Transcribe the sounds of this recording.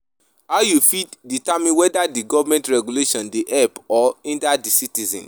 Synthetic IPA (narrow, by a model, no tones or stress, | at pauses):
haʊjufitditamĩnwɛdadiɡɔvmɛ̃ntɹɛɡuleʃɔ̃ndeʔɛpɔĩndadisitizɛ̰̃n